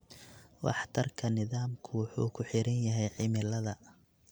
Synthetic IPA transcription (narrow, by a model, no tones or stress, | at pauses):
wɑ̰ħt̪ʰɐrkʰɐnɪðaːmkʰʊwʊħṵːkʰʊħɪɾɐnjɐɦɛjʕɪmɪlɐðɐ